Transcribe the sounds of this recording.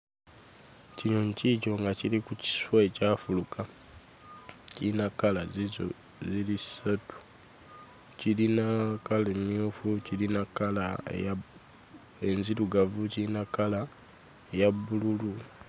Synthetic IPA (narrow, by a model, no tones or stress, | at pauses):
ciɲoɲcico̞ŋɡacilikuci̥swaecaːfuluka | cinakala | zilisatu̥ | cilinakalemjofucilinakala̰ja | enziɾuɡavucinakala | ejabululu